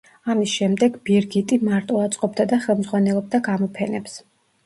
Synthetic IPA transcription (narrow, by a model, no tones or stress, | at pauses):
amisʃɛmd̪ɛɡbiɾɡit̪ʼimaɾt̪ʼɔat̪sʼqʼɔbd̪ad̪aχɛlˠmdzʁwanɛlˠɔb̚d̪aɡamɔpʰɛnɛps